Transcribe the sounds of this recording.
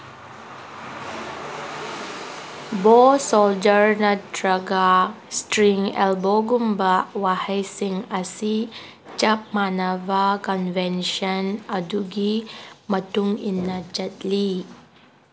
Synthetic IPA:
bosold͡ʒəɾnɐdɾaɡa | stɾiŋɛ̰lboɡumbawahajsiŋəsi | t͡ʃɐp̚manavakɔnvɛnʃənɐduɡimɐtuŋinːɐt͡ʃɐt̚li

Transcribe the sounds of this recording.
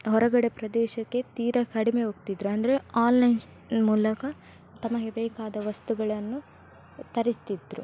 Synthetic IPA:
ɦɔɾɐɡɐɽe̞pɾɐd̪ɛːʃɐkːe̞t̪iːɾɐkɐɽime̞ɦoːɡt̪id̪ɾuɐnd̪ɐɾe̞aːlːɐjn | muːlɐkɐ | t̪ɐmɐɡebɛːkaːd̪ɐʋɐst̪uɡɐɭɐnːu | t̪ɐɾist̪id̪ɾṵ

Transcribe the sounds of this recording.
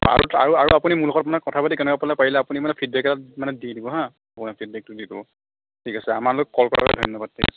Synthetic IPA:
a̰ɹṵa̰ɹuaɹapunimulɔkɔtmanɛkɔtʰabatikɛnɛkapɔlapaɹilɛapunimanɛpʰid̚bɛkɛtatmanɛdidibɔɦã | apunapʰid̚bɛk̚tudibɔ̰ | tʰikasɛa̰maɹlokːɔlkɔ̰ɹa̰a̰dʱɔnːɔbad̚tʰːḭa̰sɛ

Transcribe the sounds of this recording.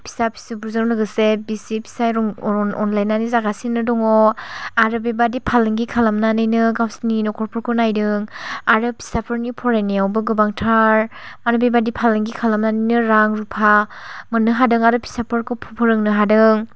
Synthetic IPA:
pʰi̥sapʰi̥sibʰuɾzanɔnɯɡɯsebisipʰi̥sajɔnlajnːanizaɡasinːɯdɔŋɔaɾɯbebadipʰalɯŋɡikʰalamnanɯjnɯɡawsninɔkʰɔɾpʰɔɾkʰɯnajdɯŋaɾɯpʰi̥sapʰɯɾnipʰɔɾajnijawbɯɡɯbaŋtʰaɾmanubebadipʰalɯŋɡikʰalamnanɯjnɯɾaŋɾupʰamɯnɯɦadɯŋaɾɯpʰi̥sapʰɯɾkʰɯpʰɔpʰɯɾɯŋnɯɦadɯŋ

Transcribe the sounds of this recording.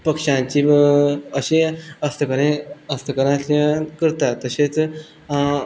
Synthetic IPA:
pəkʂãt͡ɕiːəɕeəst̪ʰəkəɾẽəst̪əkəɾãɕakəɾt̪at̪ːəɕet͡s

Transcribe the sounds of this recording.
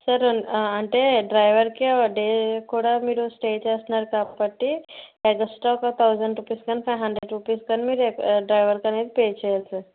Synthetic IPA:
səɾənaɳʈ̪eɖɾajʋəɾkiɖekʰoɽamiɽosʈet͡ɕaəsnaɾkapːəʈːiɛɡəsʈɔkat̪ʰawzəɳɖɾupiskənfajɦəɳɖɾeɖɾupiskənmiɾekɖɾajʋəɾkanet̪pet͡ɕeelsəɾ

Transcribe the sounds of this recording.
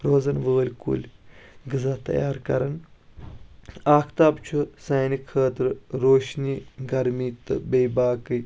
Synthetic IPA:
ɾoːzɐnʋəːlʲkṵlʲɡɨzɐt̪ɐ̰jaːɾkɐ̰ɾɐn | aːkʰt̪aːbt͡ʃʰusɐːnikʰəːt̪ɾɾoːʃniːɡɐɾmiːt̪ɨ̰bejbaːkɨj

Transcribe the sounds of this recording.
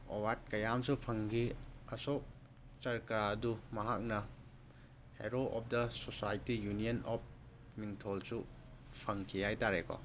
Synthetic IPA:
owaɾt̚kɐjamsupʰɐŋɡiɐsok̚ | t͡ʃɐɾkɾaɐdumɐɦak̚nɐ | hḛɾoʔɔp̚ʰdɐsosajtijunijɐnɔp̚ | miŋtʰolsu | pʰɐŋkʰijajtaɾekɔ̰

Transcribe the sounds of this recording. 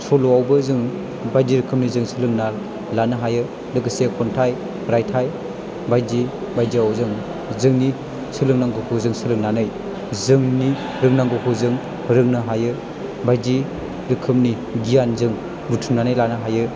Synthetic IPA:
sɔluawbɯzɯŋ | bajdiɾɯkʰɯm̚nizɯŋsɯlɯŋnal | lanɯɦajɯ | dɯɡɯsekʰɔntʰaj | ɾajtʰaj | bajdi | bajdiawzɯŋ | zɯŋni | sɯlɯŋnaŋɡɯkʰuzɯŋsɯlɯŋnanɯj | zɯŋni | ɾɯŋnaŋɡɯkʰuzɯŋ | hɯɾɯŋnɯɦajɯ | bajdi | ɾɯkʰɯm̚ni | ɡijanzɯŋ | butʰumnanɯjlanɯɦajɯ

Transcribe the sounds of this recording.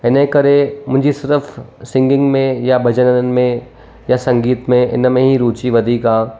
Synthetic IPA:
ɪnẽkɐɾemʊ̃ɦɲd͡ʒʱisɪɾəfʰsɪ̃ŋɡɪ̃ŋɡmẽjabʱɐd͡ʒənənənɪ̆mẽ | jasɐ̃ŋɡiːt̪mẽɪ̰nmẽɦiɾuːt͡ʃiʋɐd̪ʱikãː

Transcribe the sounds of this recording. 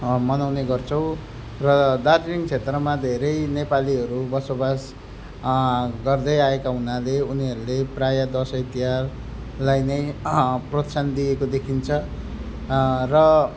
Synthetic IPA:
mʌnawneɡʌrt͡sʰʌw̃ | rʌd̪aɾiniŋt͡sʰet̪rʌmad̪ʱeɾʌjnepaliɦʌɾubʌsobas | ɡʌrd̪ʌjaekaɦunaleuniɦʌɾuleprajad̪ʌsʌit̪iɦar | lajnʌjprʌt̪sʰand̪ijekod̪ekʰint͡sʰʌ | rʌ

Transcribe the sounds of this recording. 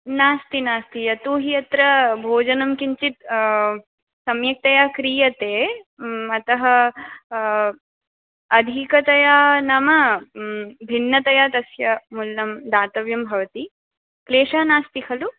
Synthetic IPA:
naːst̪inaːst̪ijɐt̪uːɦijɐt̪ɾɐbʱoːd͡ʒɐnɐmkiɲt͡ʃit̪ | sɐmjɐk̚t̪ɐjaːkɾiːjɐt̪eː | ɐt̪ɐɦɐ | ɐd̪ʱikɐt̪ɐjaːnɐmɐ | bʱinːɐt̪ɐjaːt̪ɐsjɐmulːɐmd̪aːt̪ɐʋjɐmbʱɐʋɐt̪i | kleːʂaːnaːst̪ikʰɐlu

